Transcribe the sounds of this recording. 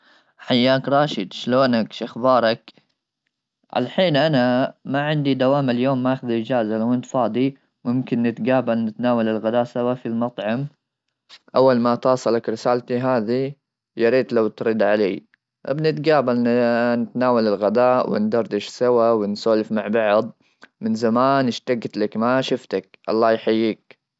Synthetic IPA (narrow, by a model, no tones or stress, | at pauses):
ħajːaːkɾˤɑːʃɪd̪ʃloːnakʃaxbɑːɾˤɑk | ʕa̰laħiːnʔanamaʕɪnd̪id̪awaːmɪljoːmːaʔaxðid͡ʒaːzalawɪnt̪fɑːd̪ˤi | mʊmkɪnːɪt̪ɡaːbalnɪt̪naːwalɪlɣad̪aːʔsawafilmɑt̪ˤʕɑm | ʔawːalmat̪ɑːsˤɑlakɾɪsaːlt̪iɦaːði | jɑɾiːt̪lawt̪ɾid̪ʕalḛː | ʔɪ̰bnɪt̪ɡaːbalnnɪt̪naːwalɪlɣad̪aːʔwɪ̰nd̪ɑɾˤd̪ɪʃsawawɪnsoːlɪfmaʕbɑʕd̪ˤ | mɪnzamaːnɪʃt̪aɡt̪lakmaʃʊft̪akʔɑ̰lˤːɑːjħajːiːk̚